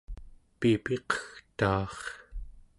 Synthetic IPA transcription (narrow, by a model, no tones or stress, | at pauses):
pipe̞qʌ̥xt̪ɑːχ